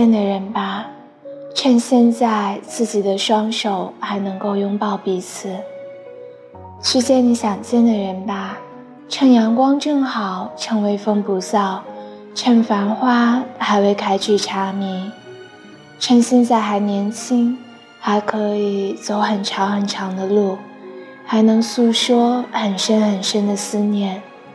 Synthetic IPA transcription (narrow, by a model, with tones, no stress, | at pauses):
ɛ˥˩nd̪ə˩ɻə˧˥nba˧ | ʈ͡ʂʰə˥˧nɕjɛ˥˧nt͡sa˥˧ɪt͡sɹ̩˥˩t͡ɕi˨˩d̪ə˦ʂwɑ˥ŋʂo˨˩ʊxa˧˥ɪnɤ˧˥ŋko˥˧ʊjʊ˥ŋpɑ˥˩ʊpi˧˥t͡sʰɹ̩˨˩˦ | t͡ɕʰy˥˧t͡ɕjɛ˥˩ni˧˥ɕjɑ˨˩ŋt͡ɕjɛ˥˩nd̪ə˨˩ɻə˧˥npa˧ | ʈ͡ʂʰə˥˩njɑ˧˥ŋkwɑ˥ŋʈ͡ʂɤ˥˩ŋxɑ˨˩˦ʊʈ͡ʂʰɤ˧˥ŋwe˧˥ɪfə˥ŋpu˧˥sɑ˥˩ʊ | ʈ͡ʂʰə˥˩nfa˧˥nxwa˥xa˧˥ɪwe˥ɪkʰa˥ɪt͡ɕʰy˥˩ʈ͡ʂʰa˧˥mi˧˥˦ | ʈ͡ʂʰə˥nɕi˥nt͡sa˥˩ɪxa˧˥ɪnjɛ˧˥nt͡ɕʰi˥ŋ | xa˧˥ɪkʰɤ˧˥i˨˩t͡so˧˥ʊxə˨˩nʈ͡ʂʰɑ˧˥ŋxə˨˩nʈ͡ʂʰɑ˧˥ŋd̪ə˧lu˥˩ | xa˧˥ɪnɤ˧˥ŋsu˥ʂwɔ˥xə˨˩nʂə˥nxə˨˩nʂə˥nd̪ə˨sɹ̩˥njɛ˥˩n